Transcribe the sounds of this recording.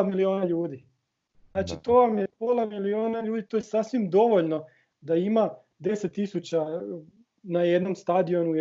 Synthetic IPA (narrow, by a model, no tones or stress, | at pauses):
milio̞ːnaʎuːd̪i | znaːt͡ʃit̪oʋamjepo̞ːlˠamilio̞ːnaʎuːd̪it̪ojesasʋimd̪o̞ʋo̞ʎno̞ | d̪aima | d̪e̞set̪ːisut͡ɕa | najed̪no̞mst̪ad̪io̞nuj